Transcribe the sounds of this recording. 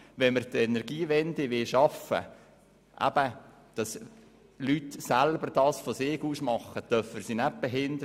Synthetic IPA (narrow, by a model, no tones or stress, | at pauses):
ʋɛnməɾt̪ɛnɛɾɡiːʋɛndɪʋɪlʃɑfə̰ | ʔæ̰b̥ə | d̪̥ɑs | lytsælbərd̥ɑːsfosɪːɡuːsmɑχːət̪œrfəsinæp̚b̥ɛɦɪndəɾ